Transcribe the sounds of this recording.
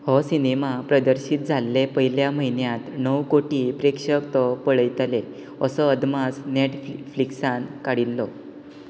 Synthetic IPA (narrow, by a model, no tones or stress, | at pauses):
hɔsinemapɾəd̪əɾɕiːt̪̚d͡zʱalːepəɦjiljaməɦinjãt̪nəwkoʈiːpɾekʂəkt̪ɔpəɭəjt̪le | əsəəd̪masneʈffliksãnkaɽilːɔ